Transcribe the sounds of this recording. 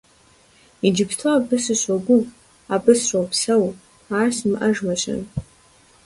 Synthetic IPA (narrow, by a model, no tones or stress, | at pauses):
id͡ʒɪptʰabɨsɨɕaɡʷʊ | abɨsrowpʰsɐw | aːrsmʔɐʒmɐɕɐ̰n